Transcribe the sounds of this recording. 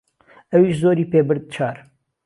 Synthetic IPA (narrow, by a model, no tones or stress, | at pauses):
ɐwiːʃzoːɾiːpeːbɨɾd̪̚t͡ʃʰaːɾ